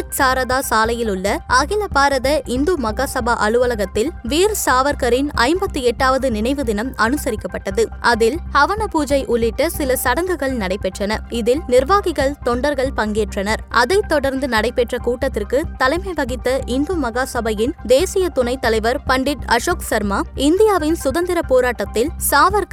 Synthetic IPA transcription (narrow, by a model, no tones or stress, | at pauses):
ɐtsaːɾɐðaːsaːlɐjɪlʊɭːɐʔɐɣɪlɐpaːɾɐðɐʔɪnd̪uːmɐɣaːsɐbaʔɐɭɯʋɐlɐɣɐt̪ːɪlʋiːɾsaːʋɐɾkɐɾɪnɐ̰ɪmbɐt̪ːɯɛʈːaːʋɐðɯnɪnɐɪʋɯðɪnɐmɐnɯsɐɾɪkːɐpːɐʈːɐðɯʔɐðɪlhɐʋɐnɐpuːd͡ʒɐɪʔʊɭːɪʈːɐsɪlɐsɐɽɐŋɡɯɣɐɭnɐɽɐɪpːɛʈrɐnɐɪðɪlnɪɾʋaːɣɪɣɐɭt̪ɔɳɖɐɾɣɐɭpɐŋɡeːʈrɐnɐɾʔɐðɐɪt̪ːɔɽɐɾnd̪ɯnɐɽɐɪpːɛʈrɐkuːʈːɐt̪ːɪrkɯt̪ɐlɐɪmɐʋɐɣɪt̪ːɐʔɪnd̪ɐmɐɣaːsɐbɐjɪnd̪eːsɪjɐt̪ʊnɐɪt̪ːɐlɐɪʋɐɾpɐɳɖɪʈɐʂoːksɐɾmaːɪnd̪ɪjaːʋɪnsʊðɐnd̪ɪɾɐpoːɾaːʈːɐt̪ːɪlsaːʋɐɾk